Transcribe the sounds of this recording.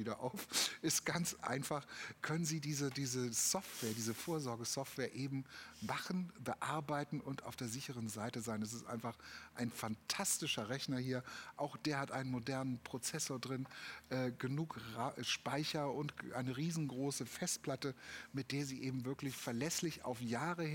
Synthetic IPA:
iːɾɐʔa̰ʊfʔɪstɡ̥ant͡sʔa̰ɪnfaχkʰœnənziːdiːzədiːzəsɔftv̥ɛːɐdiːzəfoːɐzɔɐɡəsɔftv̥ɛːɐʔeːbm̩maχn̩bəʔaɐbaɪtn̩ʊntaʊfd̥eːɐzɪçəʁənzaɪtəzaɪnɛs̬ɪstʔa̰ɪnfaχʔaɪnfantʰastɪʃɐʁɛçnɐhiːɐʔaʊxd̥eːɐhatʔa̰ɪnənmodɛɐnənpʁ̥ot͡sɛsoːɐdʁɪnʔɛːɡ̥ənuːkʁaʃpaɪçɐʊntʔa̰ɪnəʁiːzn̩ɡʁoːsəfɛst̚pl̥atəmɪt̚d̥eːɐziːʔeːbm̩vɪɐklɪçfɛɐlɛslɪça̰ʊfjaːʁəh

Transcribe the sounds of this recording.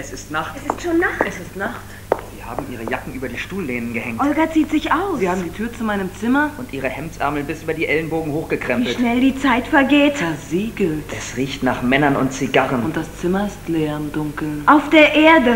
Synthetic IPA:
ɛsɪstnaχtɛsɪstʃoːnːaχtɛsɪstnaχt | z̥iːɐhaːbm̩ʔiːʁ̞əjakŋ̩ʔyːbɐdiːʃtuːlːeːnənɡəhɛŋʔɔlɡaz̥iːtz̥ɪçaʊsiːɐhaːbm̩diːtʰyːɐt͡sumaɪnəmt͡sɪmɐʊntʔiːʁ̞əhɛmt͡sʔɛ̰ɐml̩nbɪsʔyːbɐdiːʔɛlənboːɡŋ̩hoːxɡ̥əkʁ̥ɛmpviːl̩ʃnɛldiːt͡saɪtfɛɐɡeːtaɐziːɡl̩tʔɛsʁiːçtnaːχmɛnɐnʊ̰ntt͡siɡaʁənʊnt̚d̥ast͡sɪmɐɪstlɛːɐmdʊŋkl̩ʔaʊfd̥eːɐʔeːɐdə

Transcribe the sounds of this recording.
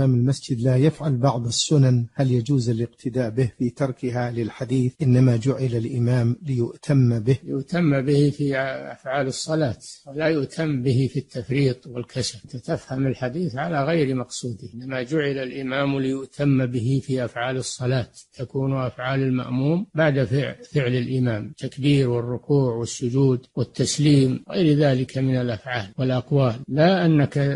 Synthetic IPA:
aːmɪlmasd͡ʒɪd̪laːjafʕalbɑʕðˤasːʊnanhaljad͡ʒuːzalɪqt̪ʰɪd̪aːʔbɪhfiːt̪ɑɾˤkɪɦalɪlħad̪iːθʔɪnːamad͡ʒʊʕɪlalʔɪmaːmlɪjʊʔt̪ʰamːbɪhɪjʊʔt̪amːbɪhifiʔʔa̰fʕaːlɨsˤːɑlaːt̪wɪlajʊʔt̪ʰamːbɪɦifit̪ːafɾiːt̪ˤwɪlkʰaʃat̪at̪afhamɪlħad̪iːθʕalaɣajɾmɑqsˤuːd̪ɪɪnːamad͡ʒʊʕɪlalʔɪmaːmlɪjʊʔt̪ʰamːbɪɦifiʔafʕaːlɨsˤːɑlaːt̪t̪akuːnʔafʕaːlɪlma̰ʔmuːmbaʕd̪afɪfɪʕlɪlʔɪmaːmt̪ːakbiːɾwɪrːʊkuːʕwɪsːʊd͡ʒuːd̪wɪt̪ːasliːmɣa̰jɾðaːlɪkʰamɪnalʔafʕaːlwɪlʔɑqwaːlːaʔanːaka

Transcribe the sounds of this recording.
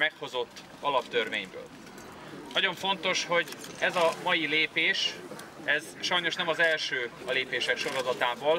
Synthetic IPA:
mɛkho̞zo̞t̪ː | ɒlɒpt̪ørveːɲbø̰ːl | nɒɟo̞ɱfo̞nt̪o̞ʃho̞ɟɛzɒmɒjileːpeːʃɛz | ʃɒjno̞ʃnɛmɒzɛlʃøː | ɒleːpeːʃɛkʃo̞ɾozɒt̪aːboːl

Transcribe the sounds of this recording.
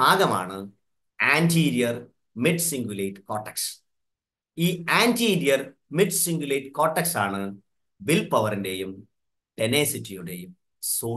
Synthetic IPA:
aːɡɐma̰ːɳɨ | aːntʰiːɾijɐr | miɖsiŋɡjuleːʈkoːʈːeks | iːaːntiːɾijɐr | miɖsiŋɡulejʈko̞ːʈːeksaːɳɨ | bilpɐʋɐrinde̞jum | ʈeneːsitːijuɽe̞jum | soː

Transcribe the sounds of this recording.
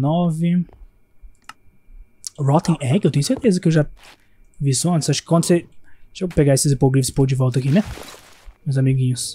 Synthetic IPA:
nɔvɪ | ɾɔt̪ĩʔɛkewt̪ẽʊseɾt̪ezɐkɪewʒa | visuɐ̃nt̪ɪzaʃʊ̥kɪ̥kwɐ̃nd̪ʊseʒepeɡaesɪzipoɡɾifɪspod͡ʒɪvɔwˠt̪ɐakinɛ | mewzamiɡĩɲʊs

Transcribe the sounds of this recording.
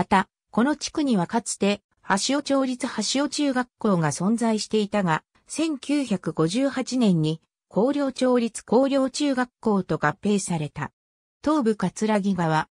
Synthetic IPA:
mat̪a | ko̞no̞t͡ɕi̥kɯ̟ɲ̟iβakat͡sɨ̥t̪e̞ | haɕio̞t͡ɕo̞ːɾʲit͡sɨhaɕio̞t͡ɕɨːɡakːo̞ːɡasõ̞nd͡zaiɕi̥t̪e̞it̪aɡa | sẽ̞ŋkʲɨːçakɯ̟ɡo̞ʑɨːhat͡ɕinẽ̞ɲ̟ːi | kʰo̞ːɾʲo̞ːt͡ɕo̞ːɾʲit͡sɨ̥ko̞ːɾʲo̞ːt͡ɕɨːɡakːo̞ːt̪o̞ɡapːe̞ːsaɾe̞t̪a̰ | t̪o̞ːbɯ̟kat͡sɨɾaɡʲiɡaβ̞a

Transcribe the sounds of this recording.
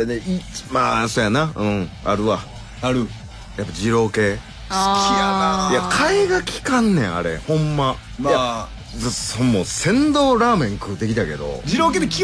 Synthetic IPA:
ɾeneimaːsoːjanaɯ̟̃ɴa̰ɾɯ̟βa | aɾɯ | japːad͡ʑiɾo̞ːke̞̥ | kʲiajakʰaeɡakʲi̥kãnːḛ̃a̰ɾe̞̰hõ̞mːa | mja | zasomːoːsẽ̞nd̪o̞ːɾaːmẽ̞ŋkɯt̪e̞kʲit̪ake̞d̪o̞̰d͡ʑiɾoːked̪kʲi

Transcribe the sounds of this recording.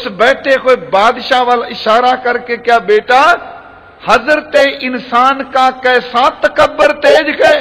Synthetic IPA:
sbɛːʈʰekoːbaːd̪ʃaʋaːlaɪʃaːɾakɐɾkekjaːbeːʈa | hɐzɾt̪eʔɪnsaːnkakɐsaːt̪ːɐkəbːəɾt̪eːd͡ʒke

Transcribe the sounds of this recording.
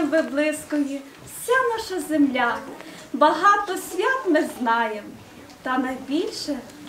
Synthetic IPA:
mʋɪblˠɪskɔji | wsʲanɑʃɐzemlʲa | bɐɦɑt̪ɔsʲʋʲat̪mɪznɑjem | t̪ɐnɐjbʲilʲʃɛ

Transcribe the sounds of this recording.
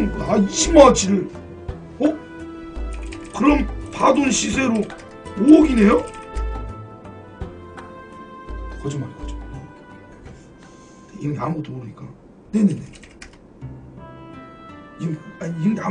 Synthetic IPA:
nnaiɕʰimad͡ʑiɾɯɭ | hok̚ | kɯɾʌmpadonɕʰisʰe̞ɾo | moːɡine̞jo | kʌd͡ʑɯŋmanɡʌd͡ʑo̥ne̞ | einamot͈ʰobɯɲik͈a | ne̞nenḛ | imaiŋda

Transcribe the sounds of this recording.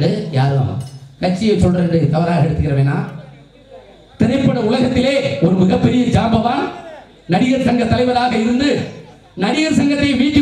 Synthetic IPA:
ɽɯja̰ːɾɯa̰ːmɐ̰kɐʈt͡ʃːɪjɐsɔlɾɐɳɖɯk̪ɐʋɐɾaːɣɐɛɽɯt̪ːɯɣɪɾɐʋeːnːaː | t̪ɪɾɐɪpːɐɽɐʊlɐɣɐt̪ːɪleːɔɾɯmɪɣɐpːɛɾɪjɐd͡ʒaːbɐʋaːn | nɐɽɪɣɐɾt̪ɐŋɡɐt̪ːɐlɐɪʋɐlaːɣɐɪɾɯnd̪ɯ | nɐɽɪɣɐɾsɐŋɡɐt̪ːɾɐjʋiːnd͡ʒɪ

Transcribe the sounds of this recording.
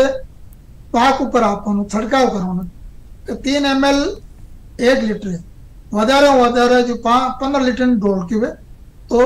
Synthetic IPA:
e | paːkʊpːəɾaːpãːnũːsʰəʈkaːʊkəɾaːnket̪iːnɛːmɛːl | eːklɪʈəɾeː | ʋəd̪aːɾãad̪aːɾad͡ʒoːpapənd̪ɾəlɪʈənɖoːlkjʊʋeː | t̪oː

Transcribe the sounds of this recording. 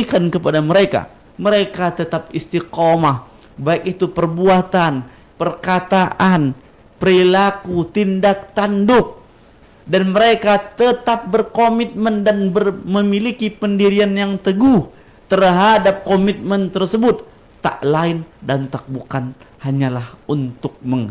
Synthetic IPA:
kankəpadaməɾeka̰ | məɾekat̪ət̪apist̪iqomah | baɪk̚it̪upərbuat̪an | pərkat̪aʔan | pəɾilakut̪indak̚t̪andʊk̚ | danməɾekat̪ət̪ap̚bərkomit̪̚məndanbərməmilikipəndiɾianjaŋt̪əɡuh | t̪ərɦadap̚komit̪̚mənt̪ərsəbʊt̪̚ː | a̰ʔlaɪndant̪ak̚bukanhaɲalahunt̪ʊk̚məŋ

